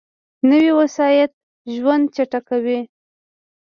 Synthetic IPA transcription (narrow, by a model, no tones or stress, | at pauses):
nəwiwasɑjat̪̚ | ʒwand̪̚t͡ʃaʈakawi